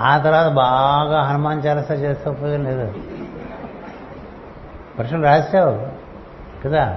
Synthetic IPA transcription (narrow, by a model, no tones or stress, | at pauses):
aːt̪ɐɾʋaːt̪ɐbaːɡaːɦɐnumaːnt͡ʃaːlɐsɐt͡ʃeːst̪ɐpːoːjd̪ɐnleːd̪u | pɐɾʂɐlɾaːd͡ʒsaː | kɐd̪a